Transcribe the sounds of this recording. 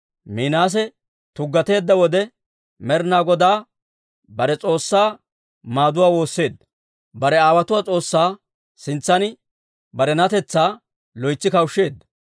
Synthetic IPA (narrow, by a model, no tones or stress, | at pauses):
miːnaːs̬ɛ | t̪ʊɡːɐt̪e̞ːd̪ːɐwɔd̪ɛ | mɛɾnaːɡɔd̪aː | bɐɾɛt͡sʼo̞ːsːaː | maːd̪ʊwaːwo̞ːsːe̞ːd̪ːɐ̥ | bɐɾɛaːwɐt̪ʊwaːt͡sʼo̞ːsːaː | sɪnt͡sːɐnɪ | bɐɾɛnɐt̪ɛt͡sːaː | lɔjt͡sːɪkɐwʃːe̞ːd̪ːɐ̥